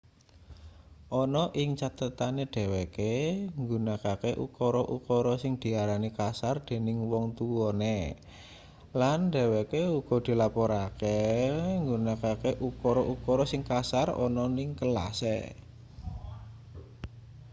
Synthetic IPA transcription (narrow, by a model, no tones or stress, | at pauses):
ʔɔnɔʔɪŋt͡ʃat̪ət̪aneɖ̪̥e̤wekeŋɡunakakeʔukɔɾɔʔukɔɾɔsɪŋd̪̥i̤aɾanikasard̪̥e̤nɪŋwɔŋt̪uwɔne | lanɖe̤wekeuɡ̥ɔ̤d̪̥i̤lapɔɾakeŋɡunakakeʔukɔɾɔʔukɔɾɔsɪŋkasarɔ̰nɔnɪŋkəla̰sḛ